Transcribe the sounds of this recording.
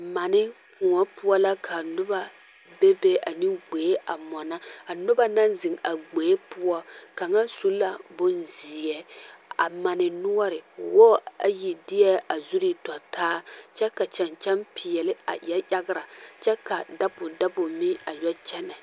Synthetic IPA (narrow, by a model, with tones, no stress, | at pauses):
ma˨nɪ˦kʊ˨ŋɔ˦pʊ˦ɔ˦la˦kʰa˨nʊ˦ba˦ | be˦be˦a˨nɪ˦ɡ͡beː˨˦ʔa˨mɔ˨na˦a˨nʊ˦ba˦na˦nzɪ˨ŋa˨ɡ͡beː˨˦pʊ˦ɔ˦ka˨ŋa˦su˦la˦bʊ˦nzi˨ɛ˨a̰˨ma˨nɪ˨nʊ˦ɔ˦ɾɪ˨wɔ˦a̰˨ji˨dɪ˦ɛ˦a˨zu˦ɾi˦tɔ˨taː˦t͡ʃɛ˦ka˨t͡ʃɛ˨nt͡ʃɛ˦mpi˨ɛ˨lɪ˦a̰˨jɛ˦ʔa˦ɡɪ˦ɾa˨t͡ʃɛ˦ka˨da˦bʊ˨da˦bʊ˨mi˦a˨jɔ˦t͡ʃɛ˦nɛ˨